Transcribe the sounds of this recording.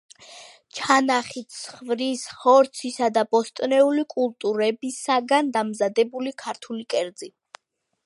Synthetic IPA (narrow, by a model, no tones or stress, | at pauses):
t͡ʃʰanaχit̪sχvɾishɔɾt̪sʰisad̪abɔst̪ʼnɛulikʼulˠt̪ʼuɾɛbisaɡand̪amzad̪ɛbulikʰaɾt̪ʰulikʼɛɾd̪zi